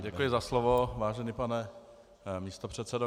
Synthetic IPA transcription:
ɟɛkkujɪzaslovovaːʒɛnipanɛ | miːst̪o̞pr̝̥ɛt̪sɛdo

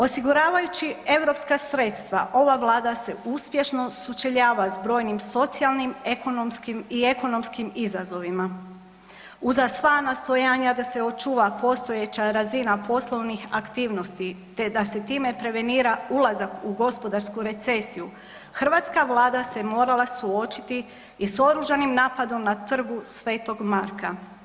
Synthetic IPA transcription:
o̞siɡuɾaːʋajut͡ɕie̞ʋɾo̞pskasɾe̞t̪st̪ʋa̰ʔo̞ʋaʋlˠaːd̪ase̞uspje̞ʃno̞sut͡ʃeʎaːʋazbɾo̞jnimso̞t̪sialˠnimeko̞nomskimie̞ko̞no̞mskimizazo̞ʋima | uzasʋanast̪ojaːɲad̪ase̞o̞t͡ʃuːʋapo̞st̪o̞jet͡ɕaɾazinapo̞slˠo̞ʋnixakt̪iːʋno̞st̪it̪e̞d̪ase̞t̪iːme̞pɾe̞ʋe̞niːɾaulˠazakuɡo̞spo̞d̪aɾskuɾe̞t̪se̞siju | xr̩ʋaːt̪skaʋlˠaːd̪ase̞mo̞ːɾalˠasuo̞t͡ʃi̥t̪iː | so̞ɾuʒanimnaːpad̪o̞mnat̪r̩ɡusʋe̞ːt̪o̞ɡmaɾka

